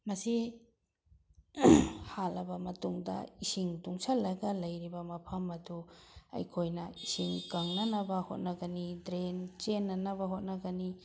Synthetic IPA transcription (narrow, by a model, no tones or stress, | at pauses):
mɐsi | halɐbɐmɐtuŋdɐ̰isiŋtuŋsɐlɐɡɐlɐjɾibɐmɐpʰɐmɐduɐ̰jkʰojnɐisiŋkɐŋnɐnɐbɐhot̚nɐɡɐnidɾent͡ʃenːɐnɐbɐɦot̚nɐɡɐni